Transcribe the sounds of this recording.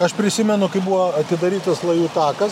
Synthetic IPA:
ɐʃpʲɾʲɪsʲɪmʲɛnʊkɐɪbuʋɐɐt̪ʲɪd̪ɐɾʲiːt̪ɐslˠɐjuːt̪ɑːkɐs

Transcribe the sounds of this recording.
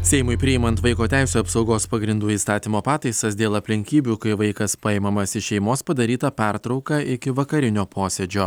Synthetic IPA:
sʲɛɪmʊɪpʲɾʲɪjɪmɐnt̪ʋɐɪkoːt̪ʲæɪsʲuːɐpsɒʊɡoːspɐɡɾʲɪnd̪uːiːst̪ɑːt̪ʲiːmoːpɑːt̪ɐɪsɐsd̪ʲeːlˠɐpʲlʲɪŋʲkʲiːbʲuːkɐɪʋɐɪkɐspɑɪmɐmɐsʲɪʃʲɛɪmoːspɐd̪ɐɾʲiːt̪ɐpʲɛɾt̪ɾɒʊkɐɪkʲɪʋɐkɐɾʲɪnʲoːpoːsʲɛd͡ʒʲoː

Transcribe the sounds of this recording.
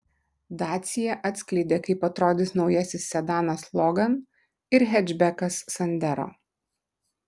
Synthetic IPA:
d̪ɑːt̪sʲɪjɛʔɐt̪sʲklʲɛɪd̪ʲeːkɐɪpɐt̪ɾoːd̪ʲɪsnɒʊjɛsʲɪsːʲɛd̪ɑːnɐslˠɔɡɐn | ɪɾɦʲɛd͡ʒʲbʲɛkɐsːɐnʲd̪ʲæɾo̰ː

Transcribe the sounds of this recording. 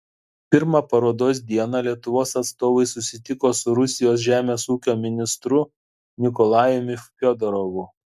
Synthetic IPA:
pʲɪɾmɑpɐɾoːd̪oːs̬d̪ʲiɛnɐlʲiɛt̪ʊʋoːsɐt̪st̪oːʋɐɪsʊsʲɪt̪ʲɪkoːsʊɾʊsʲɪjoːsʒʲæːmʲeːsuːkʲoːmʲɪnʲɪst̪ɾʊ | nʲɪkɔlˠɑːjʊmʲɪfpʲɔd̪ɔɾoʋʊ

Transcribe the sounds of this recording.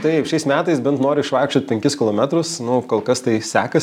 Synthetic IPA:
t̪ɐɪʃʲɛɪsmʲæːt̪ɐɪsbʲɛnt̪noːɾʲɪɪʃʋɑɪkʃʲt͡ʃʲoːt̪̚pʲɛŋʲkʲɪskʲɪlˠoːmʲɛt̪ɾʊsnʊkoːlˠkɐst̪ɐɪsʲæːkɐ

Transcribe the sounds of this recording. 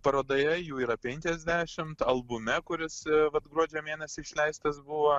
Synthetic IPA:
pɐɾoːd̪oːjɛjuːiːɾɐpʲɛŋʲkʲɛzʲd̪ʲæːʃʲɪmt̪ɐlˠbʊmʲɛkʊɾʲɪsʋɐt̪ɡɾuɔd͡ʒʲɛmʲeːnʲɛsʲɪɪʃʲlʲɛɪst̪ɐsbʊʋɐ

